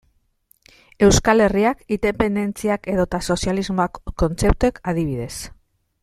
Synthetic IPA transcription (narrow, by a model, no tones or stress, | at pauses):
e̞wskale̞riakind̪e̞pe̞nd̪e̞nt͡siake̞ðo̞t̪aso̞sjalizmoakːo̞nt͡se̞p̚t̪uekaðiβ̞iðe̞s